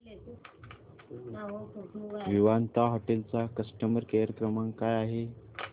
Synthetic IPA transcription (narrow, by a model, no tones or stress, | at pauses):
ʋiʋant̪aɦɔʈelt͡sakəsʈəməɾkaɾəkɾəmaŋkajaɦe